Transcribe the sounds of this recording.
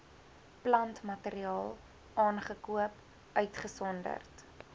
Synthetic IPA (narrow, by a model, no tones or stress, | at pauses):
plɐntmɐteɾiɑːlˠ | ɑːnχəkuəp | œɥtχəsɔndə̰rt